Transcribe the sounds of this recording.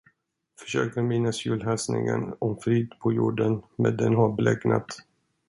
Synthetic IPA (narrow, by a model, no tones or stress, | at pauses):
fœ̥ʂøːkəɾmɪnːasjʉːlɦɛlsnɪ̰ŋə̰nɔmfɾiːd̪pʰɔjuːɖənmɛd̪ɛnhaɾbɛlɛɡna̰t̪